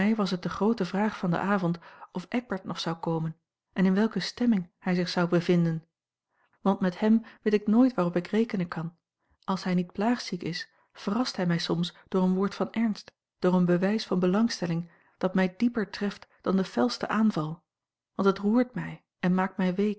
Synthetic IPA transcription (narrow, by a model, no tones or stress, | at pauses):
ɛjʋɑsət̚dəχrowtəvraːχfɑndə̰ʔaːvɔntɔfʔɛɡ̚bɛɹtnʔɔχsɑwkowmən | ʔɛnɪnʋɛlˠkəstɛmɪŋhɛjzɪχsɑwbəvɪndən | ʋɑntmɛthɛmʋetɪknoːjtʋaːʁɔpɪkrejkənənkɑn | ʔɑlˠsɦɛjnit̚plaːχsikɪs | fərɑstɦɛjmɛjsɔmsd̥ʊːɹənʋʊːɹtfɑnɛɹnst | d̥ʊːrənbəʋɛjsfɑnbəlɑŋstɛlɪŋ | d̥ɑtmɛjdipəɹtrɛftd̥ɑndəfɛlˠstə̰ʔaːnvɑlˠ | ʋɑntɦətruːɹtmɛj | ʔɛnmaːk̚tmɛjʋejk